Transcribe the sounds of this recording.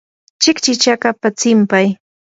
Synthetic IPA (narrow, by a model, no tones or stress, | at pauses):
t͡ʃɪkt͡ʃɪt͡ʃakapat͡sɪmpaj